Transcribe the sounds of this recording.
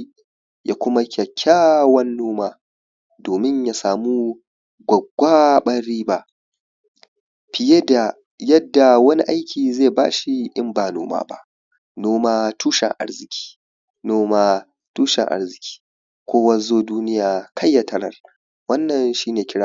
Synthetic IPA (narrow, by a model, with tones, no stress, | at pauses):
ja̰˨˦kʷʊ˦ma˦kʲʰɐ˨kʲʰːaː˦wɐ˦nːoː˦maː˦ | doː˨mɪ˦ɲja˦saː˨muː˦ | ɡʷɐ˨ɡʷaː˦ɓɐ˦ɽiː˦ba˨ | ɸɪ˨je˦da˨ | jɐ˦dːa˨wɐ˦ni˦ʔa˦jkʲʰiː˨zeː˦˨ba̰ː˦ʃi˦ʔɪ˦mbaː˨no̰ː˦ma̰ː˦ba̰˦ʔ | noː˦maː˦tʰuː˦ʃɛ̰˨ŋʔa̰˦ɽzɪ˨kʲi̥ː˦ | noː˦maː˦ | tuː˦ʃɛ̰˨ŋʔa̰˦ɾzɪ˨kʲʰi̥ː˦ | kʷoː˦wɐ˦zoː˦duː˦nɪ˦jaː˨kʰɐ˦jːa˨tʰɐ˦ɽɐ̰˨r | wɐ˦nːɐ˨nʃiː˦neː˨kʲɪ˦ɽa˦